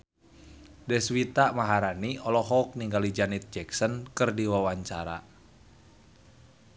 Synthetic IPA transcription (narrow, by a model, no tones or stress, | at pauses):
dɛswit̪aʔmaɦaɾaniɔlɔɦɔk̚niŋɡalid͡ʒanit̪̚d͡ʒɛksənkɨrdiwawaɲt͡ʃaɾa̰